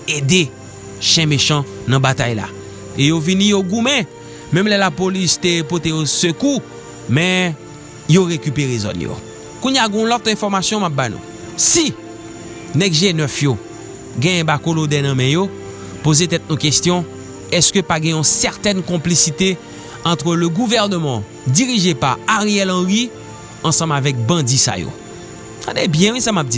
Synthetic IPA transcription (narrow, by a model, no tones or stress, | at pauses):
ed̪e | ʃɛ̃meʃɑ̃nɐ̃bat̪ajla̰ | ejovinĩjoɡumɛ̃ | mɛ̃mlɛlapolist̪epot̪ejosøku | mɛ̃ | joʁekypeʁezɔ̰njo̰ | kũɲjaɡɛ̃ũlɔt̪ɛ̃fɔʁmasjɔ̃map̚bajnṵ̃ | si | nɛɡʒenœfjo | ɡɛ̃jɛ̃bakolod̪ɛnɐ̃mɛ̃jo | pozet̪ɛt̪̚nũkest̪jɔ̃ | ɛskøpaɡɛ̃ɔ̃sɛʁt̪ɛnkɔ̃plisit̪e | ɑ̃t̪ʁələɡuvɛʁnəmɑ̃ | diʁiʒepaaʁeɛlɑ̃ʁi | ɑ̃sɑ̃mavɛk̚bɐ̃d͡zisa̰jo̰ | sa̰dɛbjɛ̃wĩsamap̚d͡zi